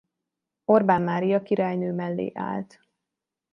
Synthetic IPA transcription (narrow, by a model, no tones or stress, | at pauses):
o̞rbaːnmaːɾijɒkiɾaːjnøːmɛlːḛːʔa̰ːlt̪